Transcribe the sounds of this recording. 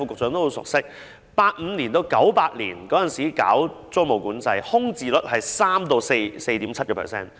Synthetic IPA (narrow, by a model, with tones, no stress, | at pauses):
fuː˧kʊ˨k̚t͡sœː˨˥ŋt̪o˥ho˨˧˥wsʊ̰˨k̚sɪ˥k̚ | paː˧t̚m̩˨˧nliː˨˩nt̪o˧wkɐ˨˥wpaː˧t̚lḭː˨˩nkɔː˨˥jɐ˨nsiː˨˥ka̰ː˨˥wt͡so˥ŋmo˨˩wkuː˨˥nt͡sɐ˧jhʊ˥ŋt͡siː˨lə˦˥t̚hɐ˨jsaː˥mt̪o˧wse˧jse˧jt̪iː˨˥mt͡sʰɐ˥t̚kɔː˧pʰɛ̰˨˩sɛ̰ː˥n